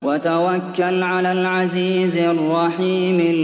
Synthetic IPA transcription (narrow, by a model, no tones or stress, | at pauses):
wat̪awakːalʕalaːlʕaziːzarˤːɑħiːmɪ